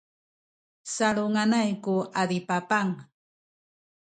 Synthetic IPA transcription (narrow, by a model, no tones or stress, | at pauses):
saɭoŋanajkuadipapaŋ